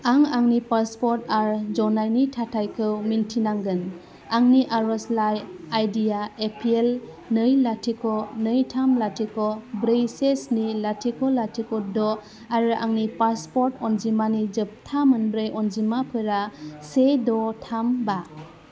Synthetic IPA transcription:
aŋaŋnipaspɔɾtaɾd͡ʒɔnajnitʰatʰajkʰɯwmintʰinaŋɡɯn | aŋniʔaɾɔslajajdijaepʰiel | nɯjlatʰikʰɔnɯjtʰamlatʰikʰɔbɾejsesnilatʰikʰɔlːatʰikɔdɔ | aɾɯʔa̰ŋnipaspɔɾtɔnzimanid͡ʒɯp̚tʰamɯnbɾɯjʔɔnzimapʰɯɾasedɔtʰamba

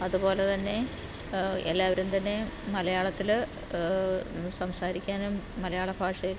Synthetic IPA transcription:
ɐðupo̞ːlet̪ɐnːe̞ | ḛlːaːʋɐɾumt̪ɐnːe̞mɐlɐjaːɭɐt̪ːil | sɐmsaːɾikʲːaːnumːɐlɐjaːɭɐbʱaːʂɐjil

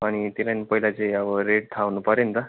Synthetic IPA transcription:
aɽ̃it̪ilanpəɦilat͡seaʋəɾeʈ̚t̪ʰaʋnupəɾjənt̪ə

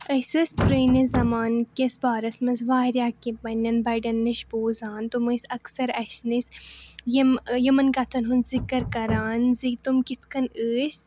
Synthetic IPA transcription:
ɐsɐspɾeːnizɐmaːnkʲɐsbaːɾɐsmɐnzʋaːɾjaːkipɐnʲːɐnbɐɖɐnːiʃboːzaːnt̪umɐsɐksɐɾɐʃnisjimjɐmɐnɡɐt̪ʰɐnɦunzikɐɾkɐɾaːnzit̪umkit̪ʰkɐnəːs

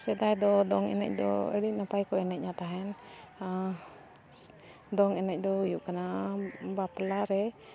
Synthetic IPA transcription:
sɛd̪ajd̪ɔd̪ɔŋɛ̰nɛ̰c̚d̪ɔ̰ə̰ɽinapajkɔɛnɛc̚ɲat̪aɦɛn | d̪ɔŋɛnɛc̚d̪ɔujuʔkanabaplaɾɛ

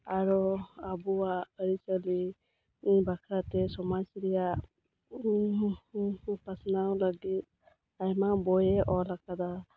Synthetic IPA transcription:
aɾɔabuwaəɾisəli | bakʰɾatɛsɔmajsɾija | pasnawlaɡit̪̚ | ajmabɔjɛʔɔlakad̪a

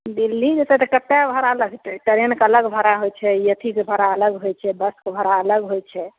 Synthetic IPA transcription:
d̪ilːid͡ʒet͡ʃɛt̪ɔkəp̪ːabʱəɾaələɡʈəɾenkələɡbʱəɾaɦojt͡ʃʰɛjət̪ʰikebʱəɾaələɡɦojt͡ʃʰɛbəskebʱəɾaələɡɦojt͡ʃʰɛ

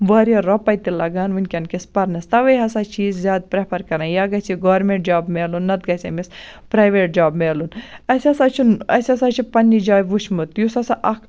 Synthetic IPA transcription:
ʋaːɾijɐɾɔpɐjt̪ilɐɡaːnʋunʲkʲɐnkispɐɾnɐst̪ɐʋɐjɦɐsaːt͡ʃʰiːzzʲjaːd̪̚pɾepʰɐɾkɐɾãːjaːɡɐt͡ʃʰiɡoːɾmeɳʈ̚d͡ʒaːbmeːlunːɐt̪̚ɡɐsʲemispɾaːjʋeːʈ̚d͡ʒaːbmeːlunɐsʲɐsat͡ʃʰunɐsʲɐsat͡ʃʰipɐnːid͡ʒaːjʋuʃmut̪jusɐsaʔɐkʰ

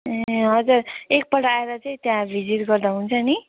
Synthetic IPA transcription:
eɦʌd͡zuɾek̚pʌɽaeɾʌt͡saĩt̪jãbʱid͡ziʈɡʌrd̪aɦũnt͡sʰʌni

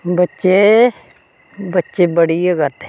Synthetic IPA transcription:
bətːʃe | bətːʃeːbəɽiekəɾt̪e̥ː

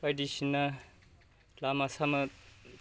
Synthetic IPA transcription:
pajdisinːa | lamasamɐ

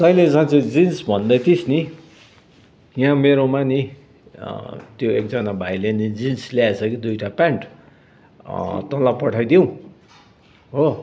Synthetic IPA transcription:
sʌjled͡zãt͡sed͡zinsbʱʌnd̪ʌjt̪ʰisni | jãmeɾomani | t̪joek̚d͡zʌnabʱajlenid͡zinslaet͡sʰʌkid̪ujʈʰapaɳʈ | t̪ʌlapʌʈʰajd̪ijõw̃ | ɦo

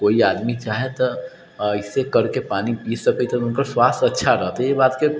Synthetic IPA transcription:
koːiaːd̪mit͡ʃaːɦet̪ɐ | ɪsːekɐɾkepaːnipiːd͡ʒsɐkit̪ʰeʊnkəswaːst̪ɐtːʃʰaɾɐɦt̪ɦɛebaːt̪ke

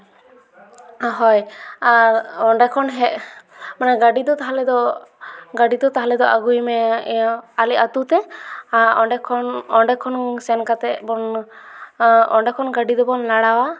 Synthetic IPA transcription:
ɦɔjaɔɳɖɛkʰɔnɦɛʔmanɛɡaɖid̪ɔt̪aɦalɛd̪ɔ | ɡaɖid̪ɔt̪aɦalɛd̪ɔʔaɡujmɛ | alɛʔat̪ut̪ɛaɔɖɛkʰɔnɔɳɖɛkʰɔnsɛnkat̪ɛʔbɔn | ɔɳɖɛkʰɔnɡaɖid̪ɔbɔnlaɽawa

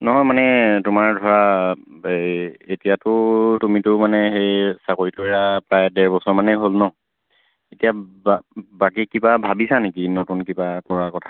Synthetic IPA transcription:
nɔɦɔjmanɛtʊmaɹdʱɔɹa | etijatʊtumitʊmanɛxejsakoɹitʊeɹapɹajdɛɹbɔsɔɹmanɛɦolnɔ | etijabbakikibabʱabisanekinotunkibakɔɹakɔtʰḁ

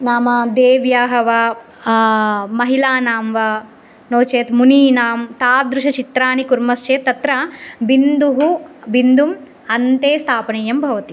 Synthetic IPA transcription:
naːmɐd̪eːʋjaːɦɐʋɐ | mɐɦilaːnaːmʋɐ | noːt͡ʃeːt̪muniːnaːmt̪aːp̚d̪ɾuʃɐt͡ʃit̪ɾaːnikuɾmɐst͡ʃeːt̪ːɐt̪ɾɐbind̪uɦubind̪um | ɐnt̪eːst̪ʰaːpɐɳɐjɐmbʱɐʋɐt̪i

